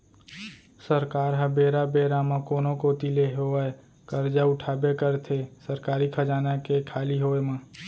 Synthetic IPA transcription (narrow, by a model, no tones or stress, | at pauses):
səɾkaːɾɦəbeːɾabeːɾamãkoːnõkoːt̪ileɦoe | kəɾd͡ʒaʊʈʰaːbekəɾt̪ʰesəɾkaːɾikʰəd͡ʒaːnakekʰaːliɦoːemãː